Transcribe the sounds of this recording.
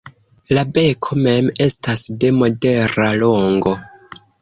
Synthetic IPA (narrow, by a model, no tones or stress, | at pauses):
labe̞kʰo̞me̞me̞stasde̞mo̞de̞ɾaloŋɡo̞